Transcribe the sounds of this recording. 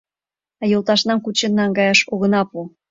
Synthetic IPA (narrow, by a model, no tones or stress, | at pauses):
ɑjolˠt̪ɑʃnɑmkut͡ɕenːɑŋɡɑjɑʃoɣɤ̆nɑpu